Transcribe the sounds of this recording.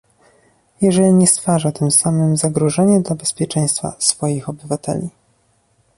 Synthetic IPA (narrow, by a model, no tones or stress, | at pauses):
jɛʐɛlʲiɲɛst̪faʐat̪ɘmsamɘmzaɡɾɔʐɛɲɛd̪labɛspʲjɛt͡ʂɛj̃st̪fa̰sfɔjixɔbɘvat̪ɛ̰lʲi